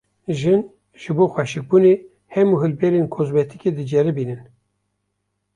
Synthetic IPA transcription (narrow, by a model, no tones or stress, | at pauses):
ʒɨn | ʒ̥ɨboːxʷɛʃɨk̚buneː | hɛmuɦɨlbɛɾeːnkʰozbɛt̪ʰɨked̪ɨd͡ʒɛɾɨbiːnɨn